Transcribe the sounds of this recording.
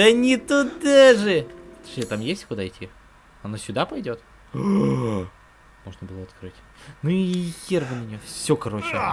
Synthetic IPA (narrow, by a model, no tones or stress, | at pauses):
ənʲɪt̪ʊd̪aʐɨ̥ʂʲet̪amjesʲtʲkʊd̪aɪtʲʰːi | ɐnosʲʊd̪apɐjdʲo̞t̪ | mo̞ʐnəbɨlˠəɐt̪kɾɨtʲ | nuijervənʲɪnʲofsʲokɐɾo̞t͡ɕɪ